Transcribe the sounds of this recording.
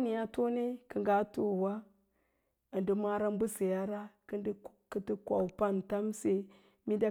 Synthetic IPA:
ni˨ja˦to˦ne˦kə˨ŋɡa˦to˦˨wa˦ | ə˨ndi˦ma˦ɾa˦m˦bu˦si˨ja˦ɾa˦kə˦ndkə˦ti˦kʷa˨u˨pa˦nta˦mse˦ | mi˦da˦

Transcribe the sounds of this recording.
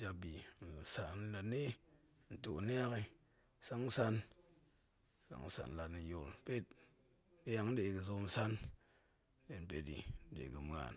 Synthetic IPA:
d͡ʒa˧bi˨n˨sa˨n˦la˨˧ne˦ | n̩˨to˨na˦a˦ki˧ | sa˦ŋ̩˦sa˧n˦ | sa̰˨ŋ̩˦sa̰˨n˨la˨tni˧jo˨lpe˦t̚ | de˦ja˨ŋn̩˦de˨kɨ˧zo˧˦m˨sa˦n˦ | de˨n˨pe˨tḭ˨n̩˦ɗḛ˨kɨ˨m˨ŋa̰˨n

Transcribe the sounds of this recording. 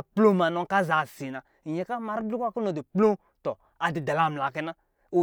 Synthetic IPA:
plo˦ma˨nɔ˧˦ka˦za˨si˨na˨ | i˨ɲɛ˨ka˦ma˨ɾi˦bi˦kʷa˦ku˦nɔ˨di˨plo˦ | tɔ˨ | a˨di˨da˨la˦˨m̩˨la˨kɛ˧˦na˦ | o˨

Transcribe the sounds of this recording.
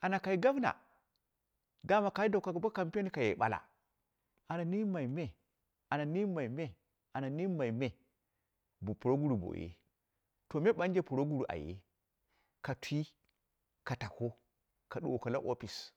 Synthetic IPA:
a˨na˨ka˨i˦ɡa˦bna̰˨ | da˦ma˦ka˨i˦da˨ka˨kba˦ka˨mpe˦ni˦ka˨jḛ˨ɓa̰˨la̰˨ | a˨na˨ni˦ma˨i˨me˦ | a˨na˨ni˦ma˨i˨me˦ | a˨na˨ni˦ma˨i˨me˨ | bu˨pu˨ɾo˦ɡu˦ɾu˨bo̰˨jḛ˦ | to˨me˦ɓa˦n˦d͡ʒe˦pu˨ɾo˦ɡu˦ɾu˨ʔa̰˨jḛ˦ | ka˨tʷi˦ | ka˨ta˨ko˦ | ka˨ɗu˨ka˨la̰˦ʔo̰˦pi˨s

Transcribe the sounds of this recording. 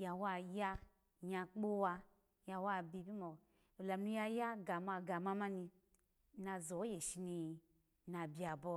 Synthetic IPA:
ja˧wa˧ja˦ | ɲa˧k͡po˦wa˧ | ja˧wa˦bi˧˨bi˦mɔ˨ | o˨la˨mnu˧˦ja˧ja˦ɡa˨ma˧ɡa˨ma˧ma˦ni˧ | na˧zɔ˨˦je˨ʃi˧ni˧ | na˧bi˨a˨bɔ˧

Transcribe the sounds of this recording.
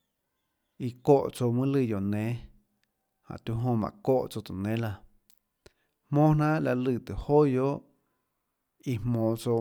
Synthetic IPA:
i˧˨ko˦˨ʔt͡so˧mɨ̃˦lɨ˧˨jo˨nẽ˨˦ | hã̰˨t̪u˧˦ɦõ˧mã̰˨ko˦˨ʔt͡so˧t̪ɨ˨nẽ˨˦la˧ | mõː˦nã˦ʔla˧lɨ˧˨t̪ɨ˨hoː˦jo˦ʔ | i˧mmõː˧˨t͡so˧

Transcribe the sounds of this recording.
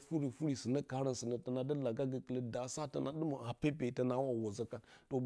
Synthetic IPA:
fu˦ɾi˨fu˦ɾi˨si˨nə˦ka˨˦ɾə˦nsə˨nə˨ta˨na˨də˦la˨ɡa˦ɡə˨kə˨lə˦da˨sa˦tə˨nʔa˨˦ɗu˦mə˨a˨pe˦pe˨ta˨na˦wa˨wo˨zə˦ka˨ | to˨

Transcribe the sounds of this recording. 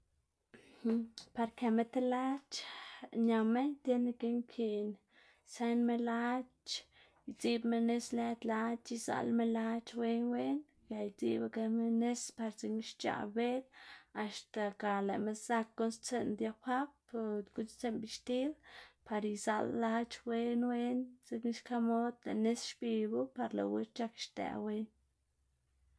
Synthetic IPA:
hpa˧ɾke˨me˦t̪e˦la˦t͡ʃɲa˨me˦ɲt̪e˦ne˧ke˦ŋkʰi˧n | se˦nme˦la˦t͡ʃ | jt͡si˦bme˧ne˦sle˦t̪la˦t͡ʃi˧za̰˧lme˦la˦t͡ʃwe˦nwe˦n | ja˨jt͡sḭ˦ba˧ke˧me˦ne˦spa˧ɾt͡si˧ni˦ʃt͡ʃa̰˨be˦d̪a˨st̪a˨ka˨lḛ˨me˦za˦˧kːo˦nst͡se˧nd̪ja˧pa˦b | ɡu˦nst͡se˦nbi˧ʃt̪i˦lpa˨ɾiza̰˧lːa˦t͡ʃwe˦nwe˦nt͡si˧kni˦ʃka˦mo˦d̪lḛ˨ne˦sʃpi˧bu˦pa˧ɾlo̰˨we˦t͡ʃa˦kʃt̪ḛ˨we˦n

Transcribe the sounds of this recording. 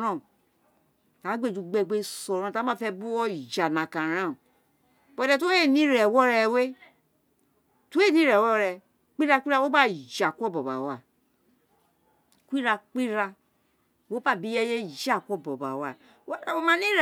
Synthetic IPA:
ɾã˦˨ | ta˨˦ɡ͡be˦˨d͡ʒu˧ɡ͡bɛ˧ɡ͡be˦sɔ˨ɾã˧˨a˨˦mã˦˨fɛ˧bu˦ɔ˦˨d͡ʒa˨nã˨kã˨ɾã˦˨ | bɔ˨˧˨dɛ˧to˦e˦˨nĩ˦ɾɛ˨wɔ˦ɾɛ˧we˦ | tu˦e˦˨nĩ˨˦ɾɛ˨wɔ˦ɾɛ˧ | k͡pi˦ɾa˧k͡pi˦ɾa˦˧wo˦ba˦˨d͡ʒa˨kɔ˦bɔ˨ba̰˨wa˨ | kʷi˦ɾa˧k͡pi˦ɾa˧ | wo˦ba˦˨bi˦jɛ˦je˦d͡ʒa˦˨kʷɔ˦˨bɔ˨ba̰˨wa˨˦˨ | wo˦mã˦nĩ˦ɾ

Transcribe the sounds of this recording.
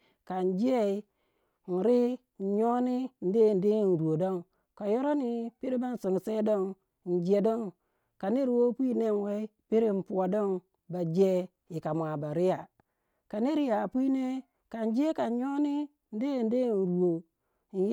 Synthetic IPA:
ka˨n˨d͡ʒe˦i˦˨ | n̩˨ɾi˦ | n̩˨ɲo˦ni˦n̩˨de˦˨n˨de˦˨n̩˨ɾu˨o˨do˦ŋ | ka˨jo˦ɾo˦ni˦pi˦ɾi˦ba˦n̩˦˨si˨ŋ˨se˦do˦ŋ˨ | n̩˨d͡ʒe˨do˦ŋ | ka˨ne˦ɾi˨wo˦pʷi˦ne˦nwe˦i˦pi˦ɾi˦n̩˨pu˨wa˨do˦˨ŋ | ba˨d͡ʒe˦ | i˨ka˨mʷ˨a˨ba˨ɾi˦ja˨ | ka˨ne˦ɾi˦ja˨pi˦ne˦ | ka˨n˦d͡ʒe˦ka˨ɲo˦ni˦ | n̩˦de˦˨n˦de˦˨n̩˨ɾu˨o˨ | n˨j

